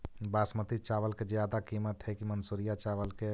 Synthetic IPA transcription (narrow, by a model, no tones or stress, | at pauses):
basmət̪it͡ʃaβəlked͡ʒjad̪akimət̪ɦəkimənsuɾijat͡ʃaβəlke